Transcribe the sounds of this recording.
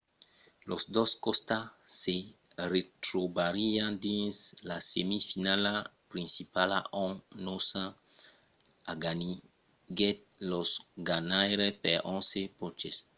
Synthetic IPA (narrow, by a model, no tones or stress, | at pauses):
losd̪oskɔst̪aseret̪ɾobaɾiãd̪ĩnslasemifinalapɾĩnsipala̰ʔɔ̃nosã | aɡani | ɡet̪̚ | losɡanajɾepɛɾʔɔ̃sepɔt͡ʃes